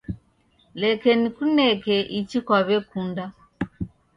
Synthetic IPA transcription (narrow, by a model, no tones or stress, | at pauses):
lɛkɛnikunɛkɛʔit͡ʃikwaβɛkunda